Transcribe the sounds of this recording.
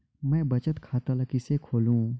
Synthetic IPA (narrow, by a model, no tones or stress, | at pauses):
mɛ̃ːbɐt͡ʃət̪kʰaːt̪alɐkisekʰoːlũː